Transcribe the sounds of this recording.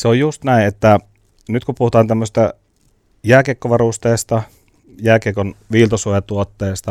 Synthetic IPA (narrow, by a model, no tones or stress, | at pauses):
seojjust̪næˑiʔet̪ːæ | nyt̪kupuhut̪ɑːnt̪æmːøsi̥st̪ɑ | jæːkeˑkːoʋɑrust̪eːst̪ɑ | jæːkekonʋiːlt̪ɑsuojɑt̪uot̪ːeːst̪ɑ